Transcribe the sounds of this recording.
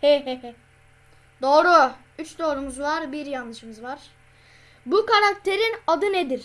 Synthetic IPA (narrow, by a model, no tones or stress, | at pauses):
hɛɦɛɦɛ | d̪o̞ːɾu | yt͡ʃd̪o̞ːɾumuzlˠaɾbiɾjanːɯʃɯmɯzvaɾ̥ | bukaɾak̚t̪ʰe̞ɾinad̪ɯned̪iɾ̥